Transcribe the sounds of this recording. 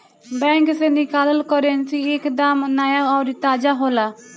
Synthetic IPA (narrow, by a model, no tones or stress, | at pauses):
bɛ̃ːŋksẽnikaːləlkɔɾensiːɪkd̪aːmnaːjaːɔːɾit̪aːd͡ʒaːɦoːlaː